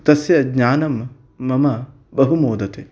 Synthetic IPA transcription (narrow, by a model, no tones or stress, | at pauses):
t̪ɐsjɐɡɲaːnɐmː | ɐmɐ | bɐɦumoːd̪ɐt̪e